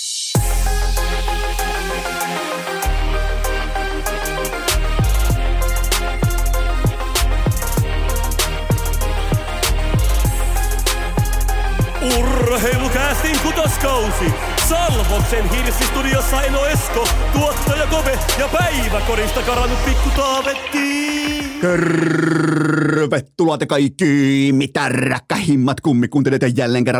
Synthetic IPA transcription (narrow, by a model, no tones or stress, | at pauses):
urɦelukæːst̪iŋkut̪oskɑusi | sɑlʋok̪senhirsist̪udiosːɑenoeskot̪uot̪ːit̪ojɑkoʋejɑpæiʋækoɾist̪ɑkɑɾɑnːuppikːut̪ɑːʋet̪ːi | kør | ʋet̪ːulɑt̪jɑkɑikːimːit̪ærːæ̰kːæhimːɑt̪kumːikːˑuːeljeot̪jɑjjælːeːŋkerːɑ